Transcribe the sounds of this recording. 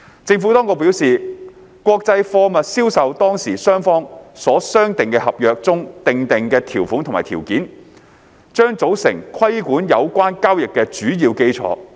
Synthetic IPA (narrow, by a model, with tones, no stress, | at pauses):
t͡sɪ˧ŋfu˨˥t̪ɔː˥ŋkʊ˧piː˨˥wsiː˨ | kʷɔː˧k̚t͡sɐ˧jfɔː˧mɐ˨t̚siː˥wsɐ˨wt̪ɔː˥ŋsiː˨˩sœː˥ŋfɔː˥ŋsɔː˨˥sœː˥ŋt̪ɪ˨ŋkɛ˧hɐ˨p̚jœː˨˧k̚t͡sʊ˥ŋt̪ɪ˨ŋt̪ɪ˨ŋkɛː˧t̪ʰiː˨˩wfuː˨˥nt̪ʰmaː˨˩t̪ʰiː˨˩wkiː˨˥n | t͡ʃœː˥ŋt͡so˨˥wsɪ̰˨˩ŋkʰɐ˥jkuː˨˥njɐ˨˧wkʷaː˥nkaː˥wjɪ˨kːɛː˧t͡ʃyː˨˥jiː˧wke˥jt͡sʰɔ̰ː˨˥